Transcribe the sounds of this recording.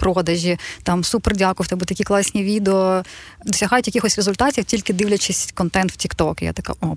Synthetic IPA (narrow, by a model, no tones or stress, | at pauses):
pɾɔd̪ɐʒʲit̪ɑmsuperdʲakʊjt̪ɛbʊt̪ɐkʲiklˠɑsʲnʲiʋʲid̪eɔd̪ɔsʲɐɦɑjʊtʲjɐkʲixɔsʲrezʊlʲt̪ɑtʲiwtʲilʲkɪd̪ɪwlʲɐt͡ʃɪsʲkɔnt̪ɛnt̪w̥tʲikt̪ɔkja̰t̪ɐka̰ʔɔ